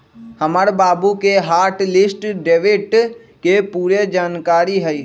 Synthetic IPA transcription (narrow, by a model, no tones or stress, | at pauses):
həməɾbaːbukeɦaːɾʈlɪsʈɖeːʋɪʈ | kepuːɾed͡ʒaːnkaːɾiɦɛi